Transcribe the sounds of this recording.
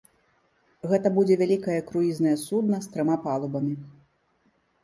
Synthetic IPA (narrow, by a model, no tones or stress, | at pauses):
ɣɛt̪ɐbud͡zʲɛvʲalʲikɐjɐkɾujiznɐjɐsud̪̚nɐst̪ɾɐmapalˠubɐmʲi